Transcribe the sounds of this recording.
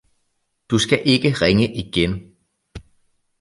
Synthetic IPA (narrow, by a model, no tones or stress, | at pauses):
d̥usɡ̥æʔe̝ɡ̥əʁɛŋəʔiɡ̥en